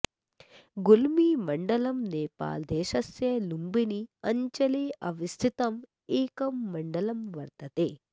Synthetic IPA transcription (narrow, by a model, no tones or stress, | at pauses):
ɡulmiːmɐɳɖɐlɐmneːpa̰ːld̪eːʃɐsjɐlumbiniɐɲt͡ʃɐleːʔɐʋist̪ʰit̪ɐm | eːkɐmːɐɳɖɐlɐmʋɐɾt̪ɐt̪eː